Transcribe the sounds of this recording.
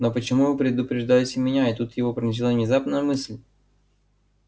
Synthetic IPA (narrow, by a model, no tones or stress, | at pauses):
nopət͡ɕɪmuvɨpɾʲɪd̪ʊpɾʲɪʐd̪alʲɪtʲɪmʲɪnʲaɪt̪ut̪jɪvopɾʲɪnʲz̬ʲɪlˠavnʲɪzapnəjəmɨsʲlʲ